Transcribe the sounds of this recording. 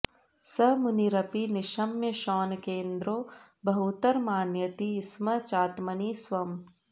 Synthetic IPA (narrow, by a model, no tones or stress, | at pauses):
sɐmʊniɾɐpinɪʃɐmjɐʃɔːnkeːnd̪ɾoː | bɐɦut̪ɐɾmaːnjɐt̪iːsmɐt͡ʃaːt̪mɐnisʋɐm